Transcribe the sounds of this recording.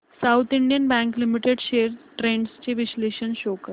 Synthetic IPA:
sawt̪ʰiɳɖijənbæ̃ŋklimiʈeɽɕeəɾʈɾeɳɖst͡ɕeʋisleɕənɕokəɾ

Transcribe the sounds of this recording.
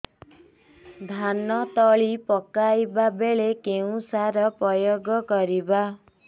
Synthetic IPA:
d̪ʱanɔt̪ɔɭipɔkajbabeɭekeũsaɾɔpɾɔjoɡɔkɔɾiba

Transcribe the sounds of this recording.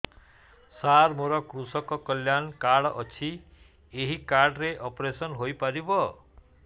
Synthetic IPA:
saɾmoɾɔkɾusɔkɔkɔljankaɽɔt͡ʃʰi | eɦikaɾɖɾeʔɔpɾesɔnɦojpaɾibɔ

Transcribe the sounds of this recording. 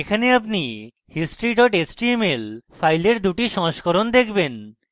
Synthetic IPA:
ekʰaneapni | hisʈɾiʈɔʈesʈimelfajleɾd̪uʈiʃɔ̃ʃkoɾond̪ekʰben

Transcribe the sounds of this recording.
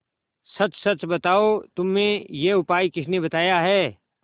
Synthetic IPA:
sɐt͡ʃsɐt͡ʃbɐt̪aːot̪ʊmːẽjeʊpaːikɪʃnebɐt̪aːjaɦɛː

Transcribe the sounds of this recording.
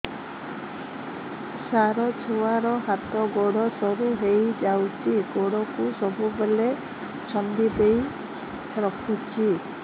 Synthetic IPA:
saɾɔt͡ʃʰowaɾɔɦat̪ɔɡoɽɔsɔɾuɦejd͡ʒawt͡ʃʰiɡoɽɔkusɔbubele | t͡ʃʰɔnd̪ibej | ɾɔkʰut͡ʃʰi

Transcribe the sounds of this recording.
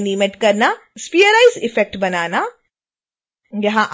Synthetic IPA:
nimeʈkɐɾnaspijəɾaːizɪfɛk̚ʈbɐnaːna | jɐɦãʔ

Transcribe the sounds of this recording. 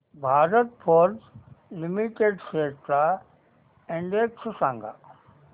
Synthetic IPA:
bʱaːɾət̪̚pʰoːɾzlɪmiʈeːɖseːʈɾa | ɛ̃ɳɖeːksʊsãːŋɡa̰ː

